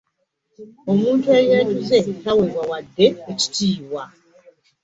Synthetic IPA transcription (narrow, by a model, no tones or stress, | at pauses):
o̞muːntueɾjeːtuze̞taweβwawadːe̞ːci̥tiːwa